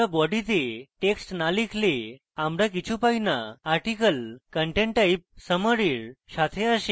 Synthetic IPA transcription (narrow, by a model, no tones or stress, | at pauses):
abɔɽit̪eʈeksʈnalikʰle | amɾak̬it͡ɕʰupainaːɾʈikəlkəɳʈẽɳʈaip̚səməɾiːɾɕat̪ʰeəɕĩ